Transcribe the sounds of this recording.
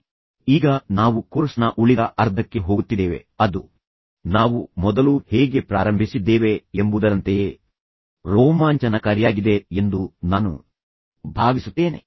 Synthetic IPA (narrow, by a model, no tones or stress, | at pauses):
iːɡɐnaːʋukoɾsnɐʔuɭid̪ɐʔɐɾd̪ʱɐkːe̞ɦoːɡut̪ːid̪eːʋe̞̰ɐd̪u | naːʋumɔd̪ɐluheːɡe̞pɾaːɾɐmbʱisid̪ːe̞ːʋe̞embud̪ɐɾɐnt̪e̞ | ɾoːmaːɲt͡ʃɐnɐkɐɾijaːɡid̪e̞end̪unaːnṵ | bʱaːɡisut̪ːe̞ːne̞